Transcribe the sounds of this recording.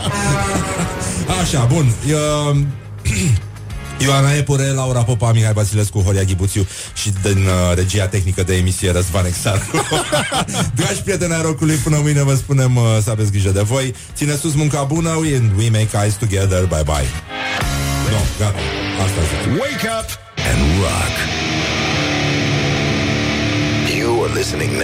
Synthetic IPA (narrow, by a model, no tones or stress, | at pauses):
aʃabunə | joanaepuɾelauɾapo̞pamihajvat̪sileskuɦoɾiaɡʲibut̪sju | ʃid̪inɾe̞d͡ʒiat̪e̞xnikəd̪e̞ːmisieɾəs̬vaneksat̪ko | d̪eaʃpɾijet̪eneaɾo̞kulujpɨnəmɨjne̞vəspune̞ms̬əavesɡɾiʒəd̪e̞vo̞jt̪sinesus̬muŋkabunəɛnd̪wimeɪkajzt̪uɡɛðə˞bajba̰j | b̪omɡat̪a̰ast̪aziweɪkʌp | ɛ̰̃nwa̰k | juəlɪsnɪ̰̃ŋn